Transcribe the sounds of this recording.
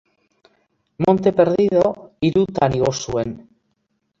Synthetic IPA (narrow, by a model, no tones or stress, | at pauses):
mo̞nt̪e̞peɾðiðoiɾut̪aniɣ̞osuen